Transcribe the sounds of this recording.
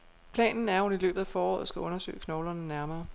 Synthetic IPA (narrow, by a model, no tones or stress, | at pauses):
pʰlɛ̰ːnn̩æɐɔ̽nilø̰ːb̥ð̩ˠæfɒːɒ̰ːð̞̩ˠsɡ̥æʔɔ̽nɐsø̰ːɪkʰnɒʊlɐnənæɐmɐː